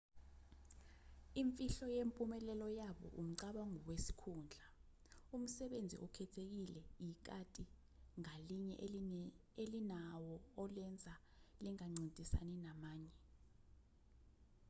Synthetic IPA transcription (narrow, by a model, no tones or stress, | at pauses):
iɱfʼiɬɔjempʼumɛlɛlɔjaɓɔ̰ʔum̩ǀaɓaŋɔwesi̥kʰuːnd͡ɮʱa | um̩sɛɓend͡zʱḭʔɔkʰɛtʰek̬ilɛjik̬ʼatʼi | ŋaliɲɛ̰ʔ | elinawɔɔlɛnd͡zʱa | liŋaŋ͡ǀintʼisa̰ninamaːɲɛ